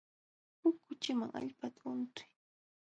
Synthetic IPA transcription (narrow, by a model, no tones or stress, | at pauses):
hʊkːʊt͡ʃɪmaŋʔa̰ʎpat̪aʊnt̪ɪ̥j